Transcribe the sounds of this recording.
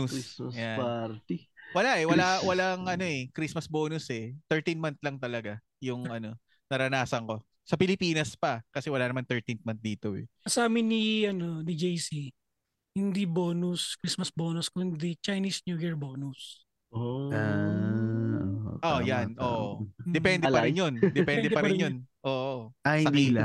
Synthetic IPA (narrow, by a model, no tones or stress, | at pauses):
usjaaɾt̪iwɐlaʔɛwɐlawɐlaŋʔɐno̞ɛkɾismɐsboːnʊsɛt̪ɛɹt̪inmant̪̚lɐŋt̪ɐlɐɡa | jʊŋʔɐno̞ | nɐɾɐnaːsɐŋko̞ | sɐpɪlɪpiːnɐspɐkɐsɛwɐlanɐmant̪ɛɹt̪inmɐnt̪̚d̪iːt̪o̞ɛ̰ɐsaːmɪniʔɐno̞nid͡ʒejsi | hɪnd̪iboːnʊskɾismɐsboːnʊskʊnd̪it͡ʃɐjnisnjuːjiɹboːnʊs | oa | oo̰ʔojannʔoːʔod̪ɛpɛnd̪ɛpɐɾɪnjond̪ɛpɛnd̪ɛpɐɾɪnjonʔoːʔoahɪɐd̪ia